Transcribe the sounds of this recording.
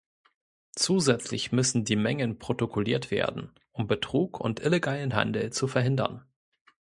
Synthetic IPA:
t͡suːzɛt͡slɪ̰çmʏsn̩diːmɛŋənpʁ̥otokʰoliːɐtv̥ḛːɐdn̩ | ʔʊmbətʁ̥uːkʰʊ̰ntʔɪleɡaːlənɦa̰ndl̩t͡sufɛɐɦɪndɐ̰n

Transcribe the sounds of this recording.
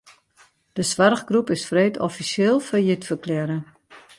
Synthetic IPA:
d̥əsʋarxɡrupɪsfreːtɔfisɪːlˠfɔjitfərklɛɾə

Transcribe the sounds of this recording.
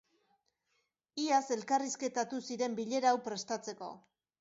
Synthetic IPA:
iase̞lkariske̞t̪at̪usiɾe̞mbiʎe̞ɾawpɾe̞st̪at͡se̞ko̞̰

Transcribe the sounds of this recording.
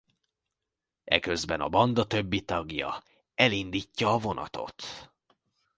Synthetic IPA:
ɛ̰kø̞zbɛnɒ̰bɒnd̪ɒt̪ø̞bːit̪ɒɡjɒ̰ | ɛlind̪iːcːɒːvo̞nʔɒ̰t̪o̞̰t̪

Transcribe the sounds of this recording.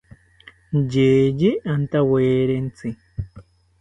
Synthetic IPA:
d͡ʒeːd͡ʒiʔant̪aweːɾent͡si

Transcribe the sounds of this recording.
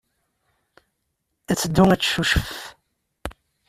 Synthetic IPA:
æt͡sːəd̪ːuŋæt͡sːʃuʃəf

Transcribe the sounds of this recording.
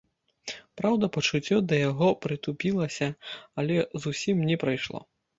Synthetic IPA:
pɾawd̪ɐpɐt͡ʂut͡sʲːɔd̪ɐjaɣɔpɾɨt̪upʲilˠɐsʲɐɐlʲɛzusʲimnʲɛpɾɐjʂlˠɔ̰

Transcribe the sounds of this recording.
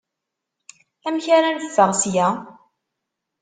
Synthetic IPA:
æmçaɾanəfːəʁsjæ

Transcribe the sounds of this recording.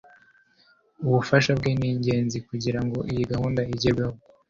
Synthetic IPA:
uβufaʃabɡeniːɲɟe̞ːnzikuɟiɾaŋɡo̞ʔijiɡahuːndaiɟeɾɡeho

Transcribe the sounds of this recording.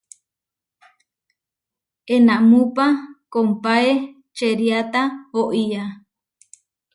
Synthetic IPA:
enãmũpakompae | t͡ʃeɾjat̪ahoʔia

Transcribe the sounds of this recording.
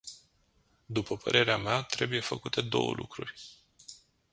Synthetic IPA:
d̪upəpʰə̰ɾʔe̞ɾeameat̪ɾe̞buje̞fəkut̪e̞d̪o̞̰wə̰lʔukɾurʲ

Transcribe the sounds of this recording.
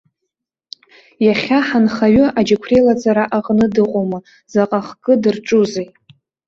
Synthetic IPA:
jaχʲaħanχaɥɨad͡ʒakʷʰrelat͡sʼaɾaʔaqʼnɨdɨqʷʼomɨ | zaqʼaχɡʼɨdɨrʈ͡ʂʼuze

